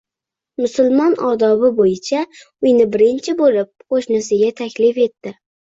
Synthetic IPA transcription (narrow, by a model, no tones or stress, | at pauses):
mʊsʊlˠmɒnɒd̪ɒbɪbojɪt͡ʃʰa | ʊjnɪbɪɾɪnt͡ʃʰɪbolɪp̚qʰoʃnɪsɪɡʲat̪ʰakʲlɪfe̞t̪ːɪ